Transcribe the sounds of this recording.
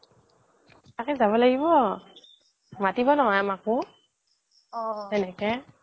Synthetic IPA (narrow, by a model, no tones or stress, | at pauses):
takɛzaβɔlaɡibɔ | matibɔnɔɦɔamakʊ | ɔɛnɛkɛ